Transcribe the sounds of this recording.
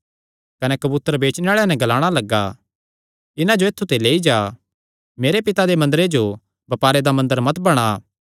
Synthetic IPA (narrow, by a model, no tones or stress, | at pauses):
kɐnɛkɐbuːt̪ːəɾbeːt͡ʃneaːɭanɛ̃ɡɐlaːɽ̃alɐɡːaː | ɪnãd͡ʒoeːt̪ʰːut̪eleːid͡ʒaː | meːɾepɪt̪ad̪emɐ̃nd̪əɾed͡ʒo | bɐpaːɾed̪amɐ̃nd̪əɾmɐt̪bɐɽ̃a